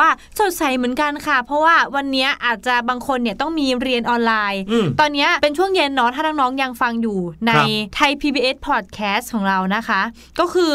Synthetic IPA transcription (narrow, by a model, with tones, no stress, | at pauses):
waː˥˩ | so˨˩t̪̚sa˨˩˦jmɯ˨˩˦nka˧nkʰa˥˩pʰɾɔ˦˥waː˥˩wa˧nːi˦˥ɐʔaː˨˩t̪̚t͡ɕa˨˩baː˧ŋkʰo˧nːi˥˩ɐt̪ɔ˥˩ŋmiː˧ɾi˧ənʔɔː˧nlaː˧jt̪ɔː˧nːi˦˥ɐpe˧nt͡ɕʰu˥˩əŋje˧nːɔː˦˥t̪ʰaː˥˩nɔː˧˥ŋnɔː˦˥ŋja˧ŋfa˧ŋjuː˨˩na˧jt̪ʰa˧jpʰiː˧biː˧ʔe˦˥pʰɔː˨˩t̪̚kʰɛː˦˥skʰɔː˩˦ŋɾa˧wna˦˥kʰa˦˥ | kɔː˥˩kʰɯː˧